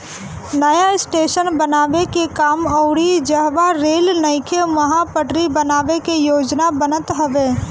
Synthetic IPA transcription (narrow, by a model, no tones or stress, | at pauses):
nəjaɪsʈeːʃənbənaːʋekekaːmɔʊɽid͡ʒəɦʋaɾeːlnəɪkʰeməɦapəʈɾibənaːʋekejoːd͡ʒnabənət̪ɦəʋeː